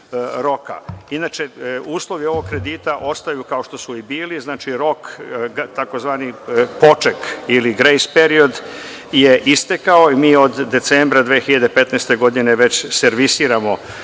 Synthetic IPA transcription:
ɾo̞ka̰inaːt͡ʃeuːslˠo̞ʋio̞ʋoɡ̚kɾe̞d̪iːt̪aʔo̞st̪ajukaoʃt̪o̞suibiːliznaːt͡ʃiɾo̞kt̪ako̞zʋaːnipo̞t͡ʂekiliɡɾejspe̞ɾio̞d̪ | jeʔist̪ekaoimiːo̞d̪ːe̞t̪seːmbɾad̪ʋeːxiʎad̪epe̞t̪neːst̪e̞ɡo̞d̪ineʋet͡ɕseɾʋisiːɾamo̞

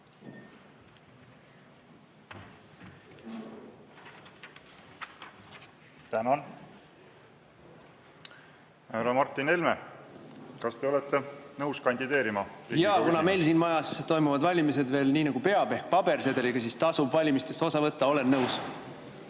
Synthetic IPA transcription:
t̪ænɑn | hæɾɑmɑrt̪ːine̞lʲme | kɑst̪e̞olet̪ːe̞nɤwskɑnʲd̪̥id̪e̞ːɾimɑjɑːkunɑme̞jlsiːnmɑjɑst̪o̞jmuvɑd̪vɑlʲimis̬e̞d̪ve̞ːlniːnɑɡ̥upe̞ɑb̥e̞hk̚pɑb̥e̞ɾse̞d̪̥eliɡ̥ɑsiːst̪ɑsubvɑlʲimist̪e̞st̪osɑvɤt̪ˑːɑo̞lenːɤws

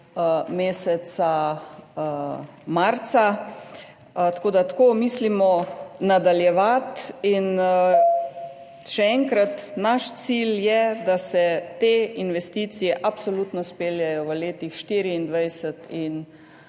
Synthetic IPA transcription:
meːsɛt̪sa | maɾt̪sa | t̪ḁkoːd̪at̪ḁkoːmislimɔnad̪aljɛʋat̪in | ʃɛɛŋkɾat̪naʃt̪siljɛd̪asɛt̪einʋɛst̪it̪sijɛʔapsolut̪nɔspeːljajɔʋəleːt̪ixʃt̪iːɾiːnd̪ʋajsət̪in

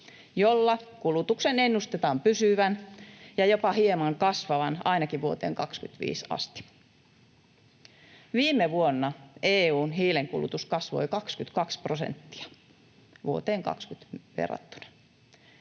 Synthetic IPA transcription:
jolːɑkulut̪uksenenːust̪et̪ɑːmpysyʋænjɑjopɑhiemɑŋkɑsʋɑʋɑnɑinɑkiʋʋuot̪ḛːŋkɑkskyt̪ʋḭːsɑ̰st̪i̥ | ʋiːmeʋuonːɑeːuːnhiːleŋkṵlṵt̪uskɑsʋo̰ikɑkskyt̪kɑksprosḛnt̪ːi̥ɑ̥ | ʋuot̪eːŋkɑ̰kskyt̪ʋḛrɑ̰t̪ːu̥nɑ̥

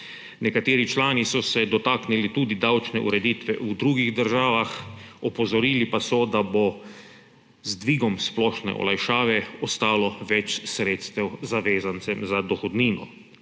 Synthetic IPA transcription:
nɛkat̪eːɾit͡ʃlaːnisɔsɛd̪ɔt̪aːknilit̪uːd̪id̪awt͡ʃnɛʔṵɾɛd̪iːt̪ʋɛ̰ʔud̪ɾuːɡiɣd̪əɾʒaːʋaxɔpɔzɔɾiːlipasɔd̪abo | zd̪ʋiːɡɔmsplɔːʃnɛ̰ʔɔ̰lajʃaːʋɛɔst̪aːlɔʋɛt͡ʃsɾeːt̪st̪ɛwzaʋeːzant̪sɛmzad̪ɔxɔd̪niːnɔ̰

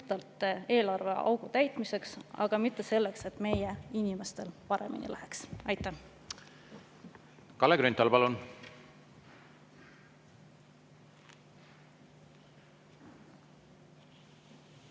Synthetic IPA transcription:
t̪ɑlt̪ˑe̞ːlɑrve̞ɑ̰wɡ̥ut̪æjt̪ˑmise̞ksɑ̰ɡ̥ɑmit̪ːe̞se̞lːe̞kse̞t̪ːˑme̞jeinimest̪e̞lpɑɾe̞̰mḭnḭlʔæheksɑjt̪ˑːæ | kɑleɡ̥ɾynt̪ːˑɑlpɑlun

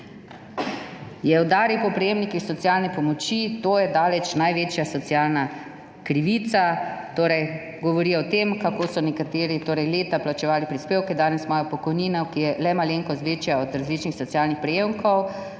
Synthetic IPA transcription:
jɛɔd̪aːɾiwpɔpɾɛjeːmnikixsɔt̪sialnɛpɔmɔt͡ʃit̪oːjɛd̪aːlɛt͡ʃnajʋeːt͡ʃjasɔt̪siaːlna | kɾiʋiːt̪sat̪oːɾɛj | ɡɔʋɔɾiːɔt̪emkakoːsɔnɛkat̪eːɾit̪oːɾɛjleːt̪aplat͡ʃɛʋaːlipɾispeːwkɛd̪aːnɛsmɔːjapɔkɔjniːnakijɛlɛmaleːŋkɔzʋet͡ʃjaɔd̪ɾazliːt͡ʃnixsɔt̪sijaːlnixpɾɛjemkʰɔw

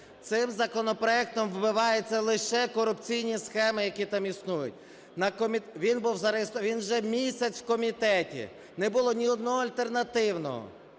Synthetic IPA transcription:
t̪sɪmzɐkɔnɔpɾɔɛk̚t̪ɔmʋbɪʋɑjʊt͡sʲːɐlˠɪʃɛkɔɾʊpt͡sʲijnʲisxɛmɪjɐkʲit̪ɑmisnujʊ̰t̚ʲ | nɐkɔmʲiʋʲinbuwzɐɾest̪ʋʲinwʒɛmʲisʲɐt͡sʲwkɔmʲit̪ɛtʲḭ | nɛbʊlˠɔnʲiɔd̪nɔɦɔɐlʲt̪ernɐt̪ɪwnɔ̰ɦɔ̰

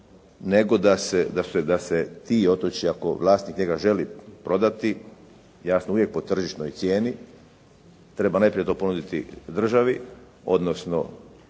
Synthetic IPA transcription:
ne̞ɡo̞d̪ased̪ased̪aset̪iːo̞t̪ot͡ɕiako̞̰ʋlˠaːst̪nikɲe̞ɡaʒe̞lipɾo̞d̪at̪i | jasnouʋje̞k̚po̞t̪r̩ʒiʃt̪nojt̪sʲje̞ːni | t̪ɾe̞banajpɾijet̪o̞ːpo̞nud̪it̪ḭd̪r̩ʒaʋi | o̞̰d̪no̞sno̰

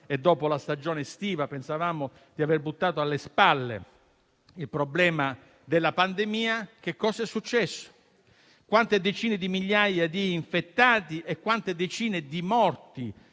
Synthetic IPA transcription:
ed̪ːɔːpolast̪ad͡ʒoːnest̪iːvapensavaːmo | d̪iaverbut̪ːaːt̪oalːespalːḛ | ilpɾoblɛːma | d̪elːapand̪emiːak̟ekːɔːsaɛsːut͡ʃːɛsːo̥ | kwant̪ed̪et͡ʃiːned̪imiʎːajad̪iːɱfet̪ːaːt̪iʔɛkːwant̪ed̪et͡ʃiːned̪imɔrt̪i

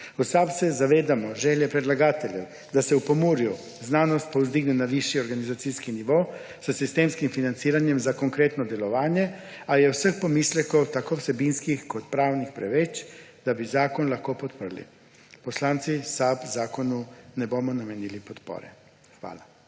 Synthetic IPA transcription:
usabsɛzaʋeːd̪amɔʒɛːljɛpɾɛd̪laɡaːt̪ɛljɛw | d̪asɛupomuːɾju | znaːnɔst̪̚powzd̪iɡnɛnaʋiʃjioɾɡanizat̪iːskiniʋo | sasist̪eːmskimfinant̪siːɾanjɛmzakoŋkɾeːt̪nɔd̪ɛlɔʋaːnjɛ | ajɛwsəxpomiːslʲɛkowt̪akowsɛbinskixkot̪pɾaːwnixpɾɛ̰ʋɛt͡ʃd̪̥abizaːkɔnlaxkoːpɔt̪pəɾ̩lḭ | poslaːnt̪sisabzaːkonunɛbomɔnamɛniːlipɔt̪po̰ːɾɛ̰ | xʋa̰ːla

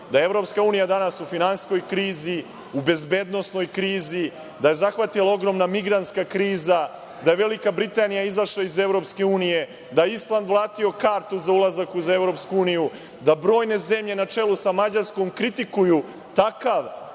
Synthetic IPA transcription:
d̪ae̞vɾo̞pskauːnijad̪anasufinansko̞jkɾiːzi | ube̞zbe̞d̪no̞sno̞jkɾiːzi | d̪aje̞zaxʋat̪ilˠao̞ɡɾo̞mnamiɡɾant̪skakɾiːza | d̪aje̞ʋe̞likabɾit̪anijaizaʃlˠaize̞vɾo̞pske̞uːnije̞ | d̪ajeislˠand̪ʋlˠaːt̪io̞kaːɾt̪uzaulˠazakuze̞vɾo̞ːpskuuːniju | d̪abɾo̞ːjne̞ze̞mʎe̞nat͡ʂe̞lusamad͡ʑaɾsko̞mkɾit̪ikuju | t̪akaʋ

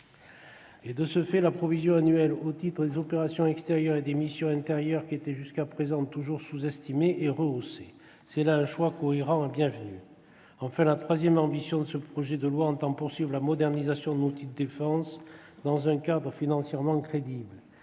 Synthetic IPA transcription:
ed̪əsəfɛlapχɔvizjɔ̃anyɛlot̪it̪χəd̪ezɔpeʁasjɔ̃ɛkst̪eʁjœʁed̪emisjɔ̃ɛ̃t̪eʁjœʁkʲiet̪ɛʒyskapχezɑ̃t̪uʒuʁsuzɛst̪imeʔeʁəose | sɛlaɛ̃ʃwakoiʁɑ̃ɛbjɛ̃vəny | ɑ̃fɛ̃lat̪χwazjɛmɑ̃bisjɔ̃d̪əsəpχɔʒɛd̪əlwaɑ̃t̪ɑ̃puʁsɥivʁəlamɔd̪ɛʁnizasjɔ̃d̪ənut̪id̪əd̪efɑ̃s | d̪ɑ̃zɛ̃kad̪ʁəfinɑ̃sjɛʁmɑ̃kχed̪ibl

